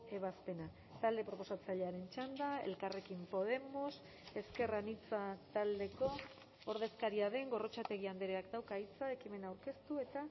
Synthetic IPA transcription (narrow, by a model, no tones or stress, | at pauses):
e̞β̞aspe̞na | t̪ald̪e̞pɾo̞po̞sat͡saʎe̞aɾe̞nt͡ʃand̪ae̞̰lkare̞kimpo̞ð̞e̞mos | e̞ske̞ranit͡sat̪ald̪e̞ko̞ | oɾð̞e̞skaɾiaðe̞ŋɡo̞ro̞t͡ʃat̪e̞ɣiand̪eɾeakd̪awkait͡sae̞kime̞nawɾke̞st̪ue̞t̪a